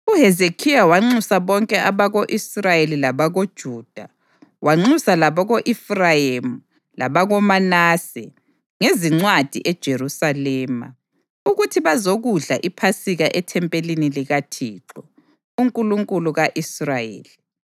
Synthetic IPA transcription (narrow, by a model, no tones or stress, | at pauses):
uɦezekʰijawaŋ͡ǀusaβɔŋkʼɛʔaβaɣoʔisrajelilaβaɣod̥ʒ̥ʱuːd̥ʱa | waŋ͡ǀusalaβɔɣoʔifrajemu | laβaɣɔmanaːsɛ̰ | ŋeziŋ͡ǀwad̥ʱḭʔɛd̥ʒ̥ʱerusalɛːma̰ | uɣutʰiβazoɣuɮaʔipʰasiɣaʔɛtʰɛmpʼeliniliɣatʰiːǁɔ | uŋkʼuluŋkʼuluɣaʔisrajḛːli